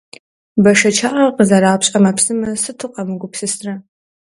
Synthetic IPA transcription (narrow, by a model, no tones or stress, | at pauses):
bɐʂɐt͡ʃʰaːʔɐqəzɐɾaːpɕʼɐmɐpsɨmɐsɨtʰɨqʼɐmɨɡʷʊpsɨstrɐ